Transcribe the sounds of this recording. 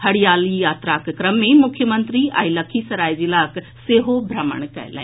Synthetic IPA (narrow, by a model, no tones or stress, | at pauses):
hɐɽijaːlijaːt̪ɾakkɾəmːẽmʊkʰjəmənt̪ɾia̰ːjləkʰisɐɾaːjd͡ʒilaːk | seːɦobʱɾəmə̰ɳ̃kɛ̰ːlɛ̰̃